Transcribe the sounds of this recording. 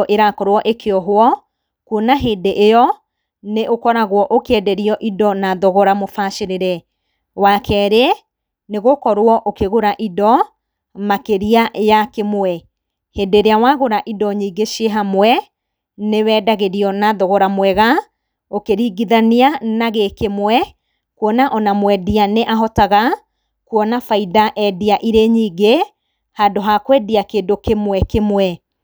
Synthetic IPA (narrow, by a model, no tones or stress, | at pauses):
ɔʔeɾakɔɾwɔʔekʰeɔɦoɔ | kuonaɦeːdeʔejɔ | neʔokɔɾaɣwɔʔokɛdɛɾiɔʔidɔnaðɔɣɔɾamofaʃeɾeɾɛ | wakʰɛːɾeɛ | neɣokɔɾwɔʔokeɣoɾaʔidɔ | makeɾiajakemoɛ | hedeɾeawaɣoɾaʔidɔɲiːɡeʃeɦamwɛ | newɛːdaɣeɾiɔnaðoɣɔɾamwɛɣa | okeɾiɡiðaneanaɣekemwɛ | kwɔnaʔɔnamwɛdianeʔaɦɔtaɣa | kwɔnafaidaʔɛdiaʔiɾeɲiːɡe | hadoɦakwɛdiakedokemwɛkemwɛ